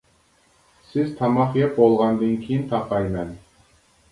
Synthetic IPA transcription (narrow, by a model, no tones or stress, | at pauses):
sɪzt̪ʰɑmɑχjɑp̚bolˠʁɑnd̪ɨnkʲʰijɪnt̪ʰɑqɑjmɛn